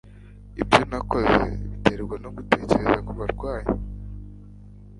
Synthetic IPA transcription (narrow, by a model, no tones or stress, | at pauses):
ibɟo̞nako̞ze̞̰βiteɾeɡɡwano̞ɡute̞ːce̞ɾezakuβaɾɡwaːje